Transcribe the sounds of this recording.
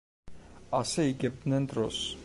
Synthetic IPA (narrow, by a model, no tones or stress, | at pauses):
asɛiɡɛb̚d̪nɛnd̪ɾɔs